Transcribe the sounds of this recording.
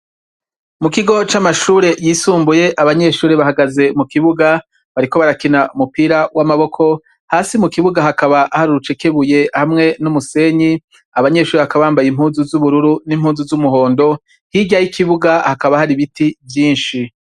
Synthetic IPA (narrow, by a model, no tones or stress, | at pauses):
mukiɡo̞t͡ʃamaʃuːɾe̞jiːsuːmbuje̞ʔaβaɲe̞ʃuːɾeβahaɡaze̞mukiβuɡa | βaɾiko̞βaɾakinaʔumupiːɾawamaβo̞kʰo̞ | haːsimukiβuɡaɦakaβaʔahaɾuɾut͡ʃe̞ke̞βuje̞hamŋe̞numuse̞ɲi | aβaɲe̞ʃuːɾeβakaβaːmbajim̥huːnzuzuβuɾuɾunimhuːnzuzumuɦo̞ːndo̞ | hiɟajikiβuɡahakaβahaɾiβitivjiːnʃi